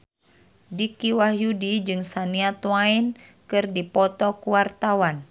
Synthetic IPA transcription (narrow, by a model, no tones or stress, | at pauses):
dikiwahjudid͡ʒɨŋsaniat̪wain | kɨrdipɔt̪ɔkuwart̪awan